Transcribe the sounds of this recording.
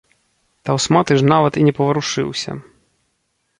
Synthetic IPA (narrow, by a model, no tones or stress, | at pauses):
t̪awsmat̪ɨʐnavɐt̪inʲɛpɐvɐɾuʂɨ̰wsʲɐ̰